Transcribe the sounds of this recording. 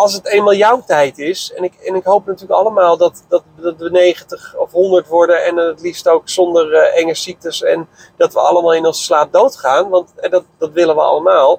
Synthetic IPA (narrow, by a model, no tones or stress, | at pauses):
ɑlˠs̬ətejmaːlˠjɔwtɛjtɪsɛnɪkɛnɪkɦowpnatyːləkɑləmaːlˠdɑtdɑtdɑtʋənejχəntəχɔfɦɔndəɹtʋɔɹdənɛnnətlistowksɔndərɛŋəsik̚təsɛn | dɑtʋə̰ɑ̰ləmaːlˠɪnɔnsə̥slaːp̚dowtχaːnʋɑntɦɛdɑt̚d̥ɑtʋɪlənʋəɑ̰ləmaːlˠ